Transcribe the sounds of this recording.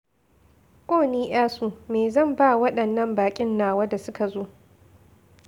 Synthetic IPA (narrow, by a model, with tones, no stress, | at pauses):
kʷʼoː˦˨niː˦ʔj̰aː˦suː˦meː˨zɐ˦˨mba˦wɐ˦ɗɐ˨nːɐ˦mbaː˨kʲʼɪ˦nːaː˨wɐ˦da˨sʊ˦ka˨zoː˦